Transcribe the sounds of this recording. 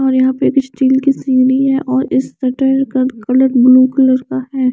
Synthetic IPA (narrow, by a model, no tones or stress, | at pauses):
ɔːɾjɐɦãpeːkɪt͡ʃʈiːlkisiːɾiɦɛʔɔːɾɪsːɐʈəɾkakɐləɾbluːkɪləɾkaɦɛː